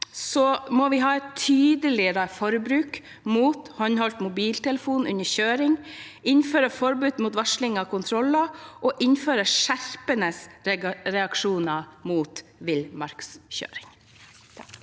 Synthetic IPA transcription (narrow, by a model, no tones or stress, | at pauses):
sɔmɔʋɪɦɑːɛt̪ʰːyːd̪əlɪɾɑfɔɾbɾʉːk | muːt̪hɔnhɔlt̪mʊbiːlt̪ʰɛləfuːnʉɲəçøːɾɪŋ | ɪnføːɾəfɔɾbʉːd̪muːt̪ʋɑʂlɪŋɑkʰʊnt̪ʰɾɔlɑʔɔːʔɪnføːɾəʂæɾpənəsɾɛɑkʂuːnɑmuːt̪ʋɪlmɑɾksçø̰ːɾɪŋ